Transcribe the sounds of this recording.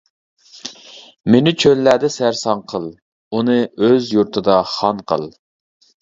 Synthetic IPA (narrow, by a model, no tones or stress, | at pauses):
menɪt͡ʃʰølːæd̪ɛsæɾsɑŋqʰəlˠ | unɨøzjuɾt̪ʰɨd̪ɑχɑnqʰə̰lˠ